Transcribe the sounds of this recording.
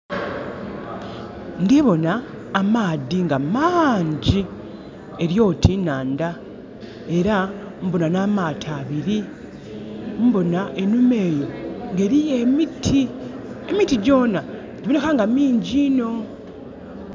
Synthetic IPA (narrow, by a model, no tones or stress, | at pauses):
ŋɡeβo̞naː | maːðiŋɡamaɲɟi | e̞ɾjo̞ːtʰinaːnda | e̞ɾa | mbo̞nanaːmaːtʰaːβiɾi | mbo̞naʔe̞nume̞ːjo̞ŋɡe̞ɾijemitʰi | emitiɟo̞ːna | diβonekaŋɡamiːɲɟiːno̞